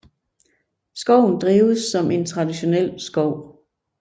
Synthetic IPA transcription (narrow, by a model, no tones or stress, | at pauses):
sɡ̥ɒʊ̰n̩d̥ʁiːʊsːɒ̽mʔe̝nt͡sʰʁɑ̈d̥iɕo̝nel̰sɡ̥ɒʊ̰